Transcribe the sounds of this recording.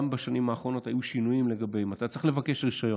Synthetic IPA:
mbaʃanimaːχʁo̞no̞tajuʃinujimle̞ɡabeimat̪at͡sʁiχlevake̞ʃʁiʃajo

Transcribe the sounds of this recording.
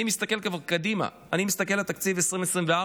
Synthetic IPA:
imist̪ake̞lkavaʁkad̪ima̰ | animist̪ak̬e̞lat̪akt͡sivesʁimesʁimvea

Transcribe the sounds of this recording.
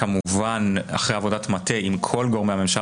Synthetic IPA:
kamuvana̰χʁejavo̞datmate̞ʔimkʰo̞lɡo̞ʁmeame̞mʃa

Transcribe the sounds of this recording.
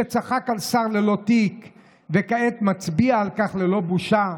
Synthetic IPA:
et͡saχakalsaʁlelo̞t̪ik | vekaet̪mat͡sbiaːlkaχlelo̞buʃa

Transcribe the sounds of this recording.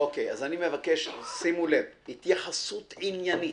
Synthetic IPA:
okejazanimevakeʃsimulevit̪jaħasut̪ʕinjani

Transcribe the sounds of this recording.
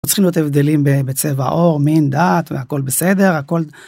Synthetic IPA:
t͡sχimlijo̞t̪evd̪e̞limbebet͡seva̰ʔo̞ʁmind̪aːt̪veako̞lbesed̪e̞ʁako̞l

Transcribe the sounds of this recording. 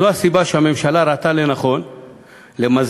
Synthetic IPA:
oasibaʃehame̞mʃalaɾat̪alenaχo̞n | lemaz

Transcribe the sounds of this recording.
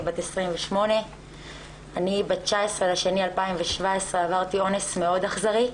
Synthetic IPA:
batesʁimveʃmo̞ne̞ | anibatt͡ʃaesʁelaʃe̞nialpaimveʃvae̞sʁeavaʁt̪io̞nesmeo̞daχzaʁi

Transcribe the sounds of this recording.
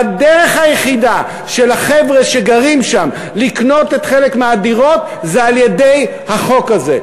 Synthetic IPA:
deʁe̞χhajeχida | ʃelaχevʁeʃeɡaʁimʃam | likno̞te̞t̪χelekmeadiʁo̞t | zealjede̞j | haχo̞kaze̞̰

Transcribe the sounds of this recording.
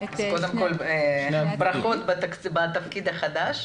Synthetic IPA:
zkold̪emko̞lebʁaχot̪batkbat̪afkid̪haχad̪aʃ

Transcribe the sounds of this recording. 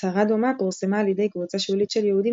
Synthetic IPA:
aʁad̪omakolsemaːlid̪ejkvut͡saʃulit̪ʃɛljɛhud̪i

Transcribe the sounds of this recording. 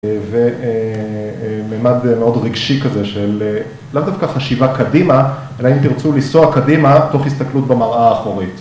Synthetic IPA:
ve | meːmad̪meo̞dʁiɡʃikazeʃelː | avd̪afkaχaʃivakadima | elaimt̪iʁt͡sulisoakadimato̞χhist̪aklutbemaʁʔaːχoʁit

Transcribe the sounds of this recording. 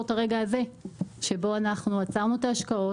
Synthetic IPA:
taʁe̞ɡaːze̞ʃe̞bo̞anaχnuat͡saʁnuetaːʃkao̞

